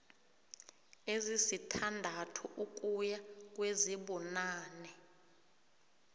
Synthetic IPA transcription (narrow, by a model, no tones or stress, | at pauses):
ezisitʰandʱatʰuʔuk̬ʼujak̬ʼweziɓɔnaːnɛ